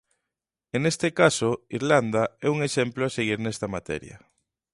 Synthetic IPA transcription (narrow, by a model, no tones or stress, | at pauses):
enest̪ekasoiɾland̪aɛuŋeʃɛmploaseɣiɾnɛst̪ɐmat̪ɛ̰ɾjɐ̰